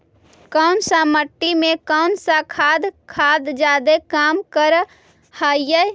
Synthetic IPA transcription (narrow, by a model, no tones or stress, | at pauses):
kəʊnsaməʈːimẽkəʊnsakʰaːd̪kʰaːd̪d͡ʒaːd̪ekaːmkəɾ | haːjə